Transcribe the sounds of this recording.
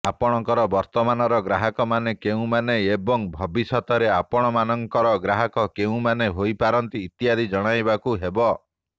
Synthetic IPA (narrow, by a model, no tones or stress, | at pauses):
apɔɽ̃ɔŋkɔɾɔbɔɾt̪ɔmanɔɾɔɡɾaɦɔkɔmanekeũmaneebɔŋbʱɔbisɔt̪ɔɾeapɔɽ̃ɔmanɔŋkɔɾɔɡɾaɦɔkɔkeũmaneɦojpaɾɔnt̪iːt̪iad̪ʱid͡ʒɔɽ̃ajbakuɦebɔ